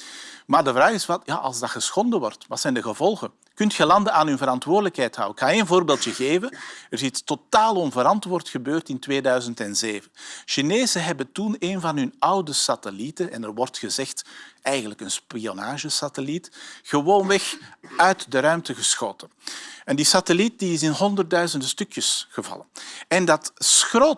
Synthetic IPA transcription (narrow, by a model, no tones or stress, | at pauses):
maːrdəvraːɣɪsʋɑtja̰ːʔɑ̰lˠzdɑxəsxɔndəʋɔrtʋɑtsɛjndəɣəvɔlˠɣən | kʏntxəlɑndəaːnynvəɾɑntʋoːrdələkhɦɛjtɦɑ̰wəxaːjəəənvoːrbeːlˠtjəɣeːvəərzɪttotaːlˠɔnvəɾɑntʋoːrtxəbøːrtɪntʋeːdœɥzəntɛnzeːvənʃineːzəɦɛbəntuneːnvɑnɦɵnɑwdəsatəlitənɛ̰nərʋɔrtxəzɛxtɛjɣənləkənspionaːʒəsatəlitxəʋoːnʋɛxœɥtdəɾœɥmtəɣəsxo̰ːtənɛndisatəlit̚diɪsɪnɦɔndərt̚dœɥzəndəstʏkjəsɣəvɑ̰lənɛndɑtsxroːt